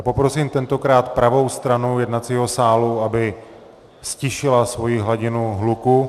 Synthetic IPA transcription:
po̞pɾo̞siːmt̪ɛnt̪o̞kɾaːt̪pɾʔavo̞wst̪ɾanujɛdnat̪t͡siːɦo̞saːluabɪ | scɪʃɪlasvo̞jiɦlaɟɪnuɦluku

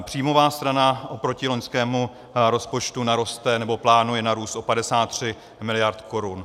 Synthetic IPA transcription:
pr̝̥ijmo̞vaːst̪ɾanaʔo̞pɾo̞cɪlo̞ɲskɛːmu | ɾo̞spo̞t͡ʃt̪unaɾo̞st̪ɛnɛbo̞plaːnujɛnaɾuːst̪ʔo̞padɛsaːt̪ːr̝̥ɪ | mɪlɪjaɾt̪kʰo̞ɾun

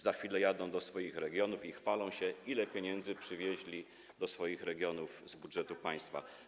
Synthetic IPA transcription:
zaxfʲilɛjad̪ɔ̃w̃d̪ɔsfɔjixɾɛɡʲjɔnufixfalɔ̃w̃ɕɛʔilɛpʲjeɲɛnd̪zɘpʂɘvʲjeʑlʲi | d̪ɔsfɔjixɾɛɡʲjɔnuvzbudʐɛt̪upaj̃st̪fa̰

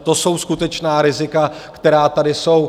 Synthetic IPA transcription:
t̪o̞so̞wskut̪ɛt͡ʃnaːɾɪzɪkakt̪ɛɾaːt̪adɪso̞w

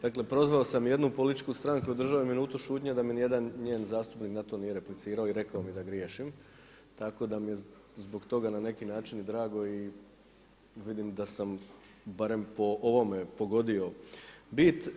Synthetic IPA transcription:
d̪̥aːkle̞pɾo̞zʋao̞samje̞d̪nupolit̪i̥t͡ʃkust̪ɾaŋkuod̪r̩ʒaʋominuːt̪uʃuːt̪ɲad̪aminije̞d̪anɲeːnzaːst̪upniknat̪o̞nije̞ɾe̞plit̪siːɾaoiɾe̞kaomid̪aɡɾjeːʃim | t̪ako̞d̪amije̞ | zboɡt̪o̞ɡanane̞kinaːt͡ʃinid̪ɾaːɡo̞i | ʋid̪imd̪asam | baɾe̞mpo̞ʔoʋo̞me̞po̞ɡo̞d̪io̞bit̪

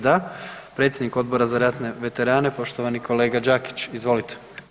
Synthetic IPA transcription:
d̪apɾe̞t̪sʲjed̪niko̞d̪bo̞ɾazaɾat̪ne̞ʋe̞t̪e̞ɾaːne̞po̞ʃt̪oʋanikʰo̞le̞ːɡad͡ʒaki̥t͡ɕizʋo̞lit̪ʰe̥

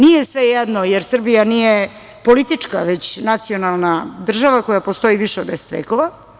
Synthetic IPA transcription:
nijesʋejɛd̪nojeɾsr̩bijanije | po̞lit̪it͡ʂkaʋet͡ɕnat̪sio̞nalˠnad̪r̩ʒaʋako̞japost̪o̞jiʋiʃeod̪d̪ese̥t̪ʋḛːkoʋa

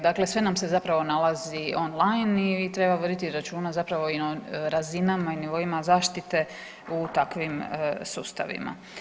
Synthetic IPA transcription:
d̪akle̞sʋe̞namse̞zapɾaʋo̞nalˠazio̞nlˠajnit̪ɾe̞baʋord̪it̪iɾat͡ʃuːnazapɾaʋo̞inoɾazinamainiʋo̞imazaːʃt̪it̪e̞ | ut̪akʋimsuːst̪a̰ʋḭma̰

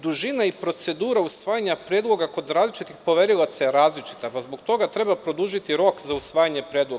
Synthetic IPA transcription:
d̪uʒinaipɾo̞t̪se̞d̪uːɾausʋaːjaɲapɾed̪lˠo̞ɡako̞d̪ɾaːzlit͡ʃit̪ixpo̞ʋe̞ɾilat̪sajeɾaːzlit͡ʃi̥t̪apazbo̞kt̪o̞ɡat̪ɾe̞bapɾo̞d̪uʒit̪iɾo̞kzausʋaːjaɲepɾe̞ːd̪lo

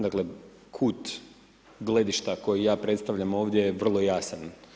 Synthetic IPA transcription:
d̪akle̞ | kʰuːt̪ | ɡle̞d̪iʃt̪ako̞jijaːpɾe̞t̪st̪aʋʎamo̞ːʋd̪jejeʋr̩lˠo̞jasan

